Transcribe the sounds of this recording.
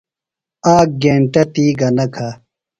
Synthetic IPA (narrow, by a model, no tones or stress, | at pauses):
aːk̚ɡeːɳʈɐt̪iːɡɐnɐkʰa